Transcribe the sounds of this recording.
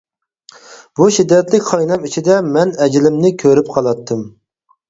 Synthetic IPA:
buʃid̪ːɛt̪lɪkʲχɑjnɛmit͡ʃʰid̪ɛmɛnɛd͡ʒlɪmnɪkʲʰøɾyp̚qʰɑlˠɑt̪ʰːɨm

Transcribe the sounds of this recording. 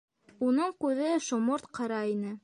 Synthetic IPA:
unɤɴkʉðɘʃŏmoɾt̪qʰɤ̆ɾɑinɘ

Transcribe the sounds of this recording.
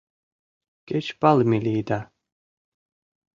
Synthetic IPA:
kʲɛt͡ʃpalmilʲiːd̪a

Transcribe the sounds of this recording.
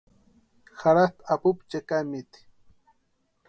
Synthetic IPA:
xaɾat̪apupt͡ʃakamit̪

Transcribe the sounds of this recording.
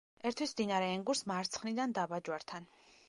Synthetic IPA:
ɛɾt̪ʰwismd̪inaɾɛːŋɡuɾsmaɾt̪sʰχnid̪and̪abad͡ʒwaɾt̪ʰan

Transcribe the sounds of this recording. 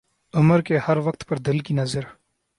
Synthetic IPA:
ʊməɾkehɐɾʋɐq̚t̪pɐɾd̪ɪlkinɐzəɾ

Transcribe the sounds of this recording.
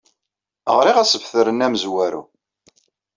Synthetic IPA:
ə̰ʁɾiʁæsəvθəɾənæməzwæɾṵ

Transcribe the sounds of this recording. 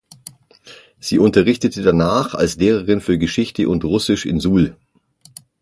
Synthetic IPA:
z̥iːʊntɐʁɪçtətʰədanaːχa̰lsleːʁɐʁɪnfyːɐɡəʃɪçtəʔʊntʁʊsɪʃɪ̰nzuːl

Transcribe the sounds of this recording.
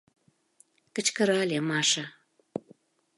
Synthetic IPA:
kə̆t͡ɕkə̆ɾɑlʲemɑʃə

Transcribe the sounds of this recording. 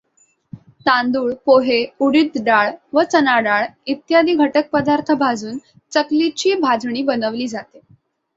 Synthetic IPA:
t̪ãnd̪uːɭpoɦeuɽid̪ɖaɭʋət͡sənaɖaɭit̪jad̪iːɡʱəʈək̚pəd̪aɾt̪ʰəbʱad͡zuːn | t͡səklit͡ɕiːbʱad͡zʱɳ̃iːbənəʋliːd͡zat̪e

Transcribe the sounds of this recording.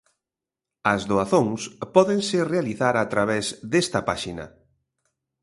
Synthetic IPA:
ɐzðoaθoŋspɔðeŋsɪrealiθaɾat̪ɾaβɛzðest̪ɐpaʃinɐ̰

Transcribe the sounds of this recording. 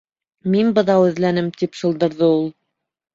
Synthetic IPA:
minbɤ̆ðɑwɘ̆ðlænɘmt̪ipsɤ̆lˠd̪ɤ̆ɾðɤulˠ

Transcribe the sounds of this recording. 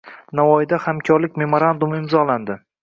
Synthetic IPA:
navɒjɪd̪ahamkʲʰɒɾlɪkʲme̞moɾand̪umɪmzɒland̪ɪ

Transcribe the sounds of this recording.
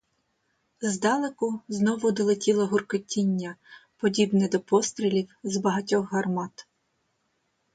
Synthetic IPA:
zd̪ɑlˠekʊznɔʋʊd̪ɔlˠetʲilˠɐɦʊrkɔtʲːinʲːɐpɔdʲibnɛd̪ɔpɔst̪ɾʲilʲiwzbɐɦɐtʲɔxɦɐrmɑt̪

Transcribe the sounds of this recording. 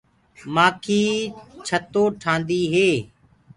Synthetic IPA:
maːkʰiːt͡ʃʰət̪oːʈʰãːnd̪iːɦeː

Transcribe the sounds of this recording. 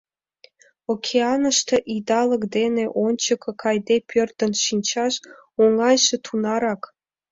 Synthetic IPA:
okʲʰeɑnə̆ʃt̪ɤ̆ʔid̪ɑlɤ̆kd̪eneʔont͡ɕəkɤ̆kʰɑjd̪epʲʰørt̪ə̆nʃinʲt͡ɕɑʃ | oŋɑjʃĕt̪ʰunɑɾɑk

